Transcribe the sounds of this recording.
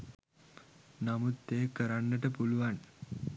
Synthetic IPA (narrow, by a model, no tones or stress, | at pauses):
namut̪ːeːkːəɾanːəʈəpuluʋan